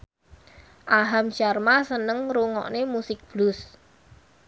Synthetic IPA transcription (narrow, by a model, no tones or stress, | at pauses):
ʔaɦamʃarmasənəŋɾuŋɔ̰ʔnemusɪk̚b̥lʊs